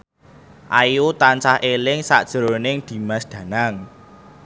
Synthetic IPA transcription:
ʔajut̪ant͡ʃahelɪŋsa̰ʔd̥ʒ̥əɾonɪŋd̪̥i̤masd̪̥ä̤naŋ

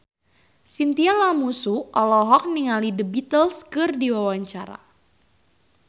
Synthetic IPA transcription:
sint̪ialamusuʔɔlɔɦɔk̚niŋalidəbit̪əlskɨrdiwawaɲt͡ʃaɾa̰

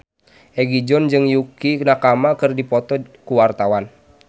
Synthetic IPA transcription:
ʔɛɡid͡ʒɔnd͡ʒɨŋjukinakamakɨrdipɔt̪ɔkuwart̪awan

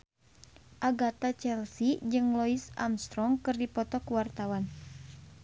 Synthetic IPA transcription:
ʔaɡat̪at͡ʃɛlsid͡ʒɨŋlɔisa̰mst̪ɾɔŋkɨrdipɔt̪ɔkuwart̪awan

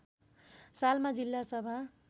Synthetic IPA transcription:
salmad͡zilːasʌbʱa

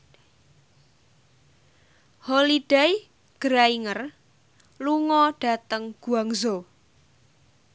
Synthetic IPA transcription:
holiɖ̥aj | ɡ̥əɾaiŋər | luŋɔɖ̥a̤t̪əŋɡ̥ṳaŋzo

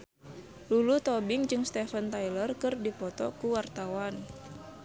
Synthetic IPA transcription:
lulut̪ɔbɪŋd͡ʒɨŋst̪ɛfənt̪ajlərkɨrdipɔt̪ɔ̰kuwart̪awan

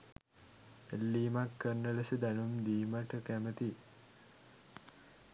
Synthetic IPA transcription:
elːiːmakːərnələsud̪ænumd̪iːməʈəkæmət̪i

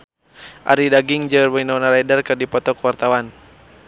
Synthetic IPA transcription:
ʔa̰ɾidaɡiŋd͡ʒərbainanaɾajdarkərdipɔt̪ɔkwart̪awan

